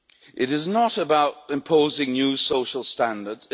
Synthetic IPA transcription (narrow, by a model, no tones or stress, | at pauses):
ʔɪɾɪznəɾəbaʊtɪ̃mpʰoʊzɪ̃ŋnjʉːsoʊʃəlˠstãndədz̥